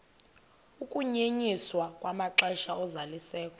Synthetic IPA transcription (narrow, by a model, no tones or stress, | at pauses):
ukʼuɲeɲiswakʼwamaǁɛʃaɔzalisɛːkʼɔ̥